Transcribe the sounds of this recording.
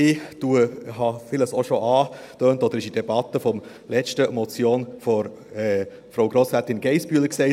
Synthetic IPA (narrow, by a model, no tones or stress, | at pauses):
ɪd̥uəɦɑfɪləsɔʃoʔɑː | tøːntɔd̪əɾɪʃid̥ɛbɑt̪ːəfɔm | lɛt͡ʃtəmɔt͡sjoːnfɔɾ | ɛ | fɾoʊɡɾɔsɛtɪnɡ̥ɛɪsbyːləksɛɪ